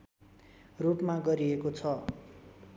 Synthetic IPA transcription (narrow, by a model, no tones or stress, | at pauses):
rupmaɡʌɾiekot͡sʰʌ